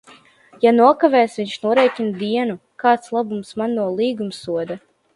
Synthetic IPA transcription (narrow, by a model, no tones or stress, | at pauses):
januɔkavɛːsviɲʃnuɔɾɛːjcʲind̪iɛnukaːt̪slˠabumsmanːuɔlˠiːɡumsːuɔd̪a